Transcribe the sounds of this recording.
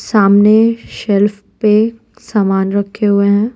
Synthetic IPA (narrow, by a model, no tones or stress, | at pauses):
saːmneʃɛlf | pe | saːmaːnɾɐkʰːeɦʊeɦɛ̃ː